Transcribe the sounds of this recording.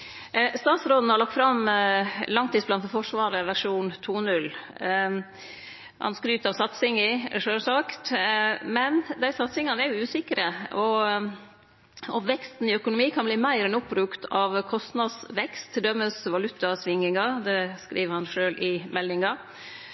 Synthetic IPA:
st̪ɑːt̪sɾoːd̪n̩hɑɾɭɑk̚t̪fɾɑm | lɑŋt̪ʰiːdsblɑnɛfɔʂʋɑːɾəʋæʂuːnt̪ʰuːnʉl | hɑ̰nskɾyːt̪ɑʋsɑt̪sɪŋɪʂøːlsɑkt̪mɛnd̪æɪsɑt̪sɪŋɑnæɾjʊʉːsɪkəɾəɔ | ɔʋɛkst̪n̩ɪœkʊnʊmiːkʰɑnbliːmæɪɾɛnʊpːbɾʉkt̪ʰɑʋkʰɔst̪nɑd̪sʋɛkst̪ʰd̪œmːəsʋɑlʉt̪ːɑsʋɪŋɪŋɑd̪ɛskɾḭːʋəɾhɑnʂøːlʔɪmɛlːɪŋɑ

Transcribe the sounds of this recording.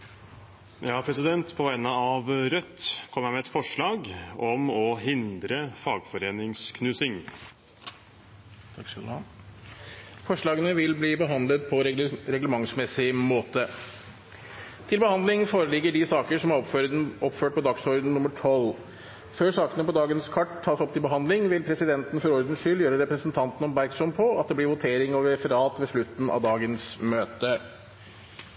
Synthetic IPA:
jɑːpʰɾɛsɪd̪ɛnt̪pʰɔʋæɪnəɑʋɾœt̪ːkʰɔmːæmɛɛt̪fɔʂɭɑːɡɔmɔɦɪnd̪ɾəfɑːɡfɔɾeːnɪŋskʰnʉːsɪŋ | t̪ʰɑkslɑ | fɔʂɭɑːɡənəʋɪlbliːbəɦɑnd̪lət̪̚pʰɔɾɛɡləmɑŋsmɛsɪmoːt̪ə | t̪ʰɪlbəhɑnd̪lɪŋfoːɾəlɪɡːəɖɪsɑːkəʂɔmɑɔpːføːʈ̚pʰɔd̪ɑksɔɾd̪n̩nːʊmːəʈʰɔl | føːʂɑːkənəpɔd̪ɑːɡənskʰɑʈʰːɑːsɔpt̪ʰɪlbəɦɑnd̪lɪŋʋɪlpʰɾɛsɪd̪ɛnt̪ən̩fɔɾɔɾd̪ən̩ʂʏljøːɾəɾɛpɾəsnt̪ʰɑnt̪n̩ɔmbæɾksɔmpʰɔɑt̪̚d̪ɛblɪɾʋʊt̪ʰeːɾɪŋɑʋɾɛfəɾɑːt̪ʋeʂɭʉt̪n̩ɑ̰ʋd̪ɑːɡənsmøːt̪ə

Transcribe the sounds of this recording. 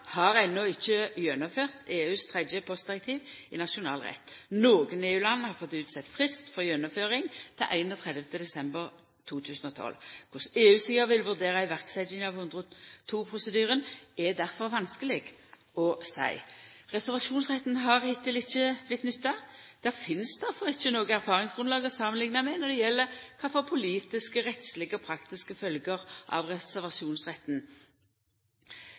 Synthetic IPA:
hɑʁɛnːɔɪçːəjœnɔføːʁt̪ʰeːʉːst̪ʰʁɛd̪jəpʰɔst̪d̪ɪʁɛk̚t̪ʰiːʋɪnɑʂʊnɑːlʁɛ̰t̪ːnoːɡəneːʉːlɑnːhɑʁfɔt̪ːʉːt̪sɛt̪ːfʁɪskt̪fɔʁjœnɔføːʁɪŋt̪ʰɛʔæɪnɔt̪ʰʁɛd̪ʋət̪əd̪ɛsɛmbəʁ | t̪ʰuːt̪ʰʉːsən̩ɔt̪ʰɔ̰lkʰʊseːʉːsiːəʋɪlʋʉʁd̪eːʁəɪʋæʁksæɪd̪ɪŋɑʋhʉnd̪ʁəɔt̪ʰuːpʰʁʊsəd̪yːʁənɛd̪æʁfɔʁʋɑnskəlɪɡ | ɔsæ̰ɪʁɛsæʁʋɑʃuːnsʁɛt̪nɦɑʁhɪt̪ʰːɪlɪçːəb̥lɪt̪nʏt̪ːɑd̪̥æʁfɪnsd̪æʁfɔʁɪçːənoːɡəæʁfɑːʁɪŋsɡ̥ʁʉnlɑːɡəsɑmənlɪŋnɑmɛnɔʁd̪ɛjɛlːəkʰɑfɔpʰʊliːt̪ɪskəʁɛt̪slɪɡəɔpʰɾɑkt̪ɪskəfœlɡəʁʔɑ̰ʋʁɛsæʁʋɑsuːnsʁɛt̪n

